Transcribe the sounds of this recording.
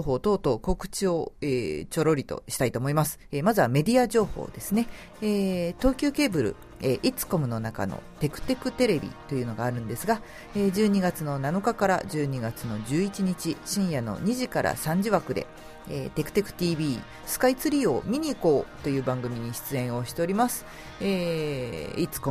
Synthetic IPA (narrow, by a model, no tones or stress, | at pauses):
oɦo̞ːt̪o̞ːt̪o̞ːko̞kɯ̟̥t͡ɕio̞ḛːt͡ɕo̞ɾo̞ɾʲit̪o̞̰ɕi̥t̪ait̪o̞ːmo̞imasɨ̥emazɨβame̞d̪ʲiaʑo̞ːho̰ːd̪e̞sɨne̞ | eːt̪o̞ːkʲɨːke̞ːbɯ̟ɾɯ̟̰ | eʔit͡sɨ̥ko̞mɯ̟no̞naka̰no̞̰t̪e̞kɯ̟̥t̪e̞kɯ̟t̪e̞ɾe̞bʲḭt̪o̞jɯ̟ːno̞ɡaːɾɯ̟̃nd̪e̞sɨɡa | ed͡ʑɨːɲ̟iɡat͡sɨno̞nano̞kakaɾa̰ʑɨːɲ̟iɡat͡sɨno̞d͡ʑɨːit͡ɕiɲ̟it͡ɕiɕĩɰ̃jano̞̰ɲ̟iʑikaɾʔa̰sãɲ̟d͡ʑiβakɯ̟d̪e̞̰ | ḛːt̪e̞kɯ̟̥t̪e̞kɯ̟̥t̪ʲiːbʲiː | sɨ̥kait͡sɨɾʲio̞mʲiɲ̟iːko̞ːt̪o̞jɯ̟ːbãŋɡɯ̟mʲiɲ̟iɕi̥t͡sɨẽ̞ɰ̃o̞ɕi̥t̪e̞oɾʲimasɨ̥ | e | it͡sɨ̥ko